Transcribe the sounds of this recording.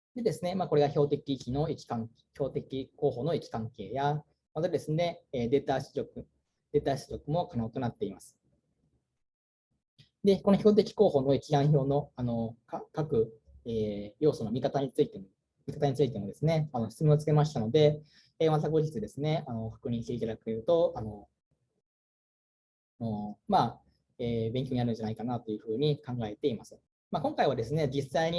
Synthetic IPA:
d̪e̞d̪e̞sɨne̞maːko̞ɾe̞ɡaço̞ːt̪e̞kʲiːkʲino̞ikʲi̥kãŋ | ço̞ːt̪e̞kʲiko̞ːɦo̞ːno̞ikʲi̥kãŋke̞ːja | mat̪ad̪e̞sɨne̞ːd̪e̞t̪aɕɨokɯ̟ | d̪̥e̞ːt̪aɕi̥t͡sɨɾʲo̞kɯ̟mo̞kano̞ːt̪o̞nat̪ːe̞imasɨ̥ | d̪e̞ko̞no̞çʲo̞ːt̪̬e̞kʲi̥ko̞ːho̞ːno̞ikʲiɡãɰ̃ço̞ːno̞ano̞kakakɯ̟ | eːjo̞ːso̞no̞mʲikat̪aɲ̟it͡sɨit̪em | mʲikat̪aɲ̟it͡sɨit̪e̞mo̞d̪e̞sɨne̞ano̞ɕi̥t͡sɨmeot͡sɨ̥ke̞maɕi̥t̪ano̞d̪e̞ | eːmat̪̬aɡo̞ʑit͡sɨd̪e̞sɨne̞ano̞kḁkɯ̟ɲ̟ĩɕt̪e̞it̪ad̪akɯ̟jɯ̟t̪o̞ano̞ | nomaː | eːbẽ̞ŋkʲo̞ɲnaɾɯ̟n̟d͡ʑanaikanat̪o̞jɯ̟ːɸɯ̟ːɲ̟ikãŋɡae̞t̪e̞imasɨ̥ | makoŋkaiβ̞ad̪e̞sɨne̞d͡ʑisaiɲ̟i

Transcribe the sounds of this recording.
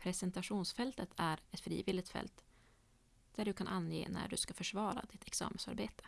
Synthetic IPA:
pʰɾɛsɛnt̪aɧuːnsfɛlt̪ət̪ʰæɾɛt̪fɾḭːvɪːlɪɡ̚t̪fɛ̰lt̪ | d̪̥æɖɵkʰanʔanjḛːnæ̰ɖɵskafœʂvɑːɾa̰d̪ɪt̪ʰɛksɑ̰ːmənsa̰ɾbeːt̪ʰə̥

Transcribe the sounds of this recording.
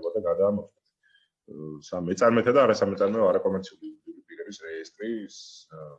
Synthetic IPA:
bad̪aɡad̪aːmɔsɛt̪ʰ | samɛt̪sʼaɾmɛt̪ʰad̪aːɾasamɛt̪sʼaɾmɛɔaɾakʼɔmɛɾt̪sʰiulid̪iuɾipʼiɾɛbisɾɛist̪ʼɾis

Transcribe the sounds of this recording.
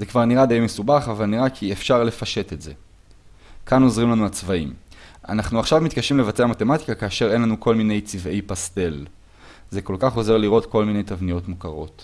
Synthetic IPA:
ze̞kvaʁniʁad̪ajmesubaχavalniʁakʰiefʃaʁle̞faʃe̞t̪etze̞ | kano̞zʁimlanuat͡svaima̰naχnuaχʃavmit̪̚kaʃimlevat͡se̞amat̪e̞mati̥kakaːʃe̞ʁe̞nlanuko̞lmine̞jt͡sive̞jpast̪e̞l | ze̞ko̞lkaχo̞ze̞ʁliʁo̞t̪ko̞lmine̞jtavnijo̞tmukaʁo̞̰t̪

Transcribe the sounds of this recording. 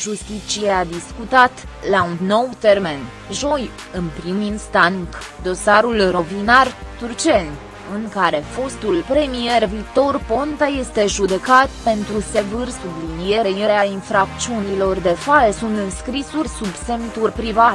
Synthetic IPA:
ʒust̪it͡ʃiead̪iskut̪at̪ | launːo̞wt̪e̞rme̞n | ʒo̞j | ɨnpɾiminst̪aŋk | d̪o̞saɾulro̞vinart̪urt͡ʃe̞nʲ | ɨŋkaɾe̞fo̞st̪ulpɾe̞mije̞rvik̚t̪o̞rpo̞nt̪aje̞st̪e̞ʒud̪e̞kat̪pe̞nt̪ɾuse̞vɨrsublinije̞ɾejeɾeainfɾak̪̚t͡ʃiunilo̞rd̪e̞falsunt̪ɨnskɾisurʲsubse̞mt̪urʲpɾivat̪

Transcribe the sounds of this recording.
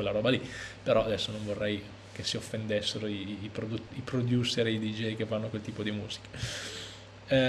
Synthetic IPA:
elːaɾɔːbalipeɾɔad̪ɛsːonõɱvorːɛj | kesiofːend̪esːeɾoiːpɾod̪ut̪ipɾod̪juːseɾeid̪id͡ʒɛjkevːanːokwelt̪iːpod̪imuːz̥i̥ke̥

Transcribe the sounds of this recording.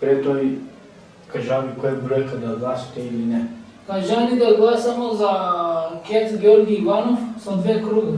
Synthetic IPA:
pɾɛt̪oi | kaʒanikojabɾojkad̪aɡlˠasi̥t̪ɛilinɛ | kaʒanid̪aɡlˠasamozakʲɛt̪ɡʲɛoɾɡiːvanofsad̪ʋɛkɾuɡa

